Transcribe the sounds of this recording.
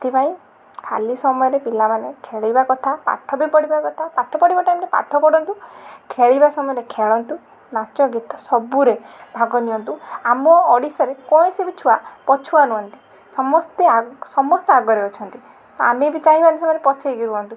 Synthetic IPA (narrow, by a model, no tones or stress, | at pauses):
t̪ʰipaĩ | kʰalisɔmɔjɔɾepilamanekʰeɭibakɔt̪ʰapa̰ʈʰɔbipɔɽibakɔt̪ʰapaʈʰɔpɔɽibaʈajmɾepa̰ʈʰɔpɔɽɔnt̪ukʰeɭibasɔmɔjɔɾekʰeɭɔnt̪u | nat͡ʃɔɡit̪ɔ̥sɔbuɾebʱaɡɔniɔnt̪uamɔːɽisɔɾekɔĩsibit͡ʃʰuapɔt͡ʃʰuanuɦɔnt̪i̥ | sɔmɔst̪easɔmɔst̪iaɡɔɾeɔt͡ʃʰɔnt̪i | t̪ɔamibit͡ʃaĩbanisɔmɔjɔɾepɔt͡ʃʰajɡiɾuɔnt̪u